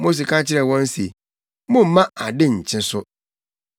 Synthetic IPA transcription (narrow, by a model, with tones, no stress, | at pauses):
mo˦s̬e˨ka˦t͡ɕʰɪ˦ɾɛ˨wɔ̃˦n̩˦se˨ | mʊ̃˦m̩˦mã˦a˨dɪ˦ɲ̩˨t͡ɕʰɪ̃˦sʊ˦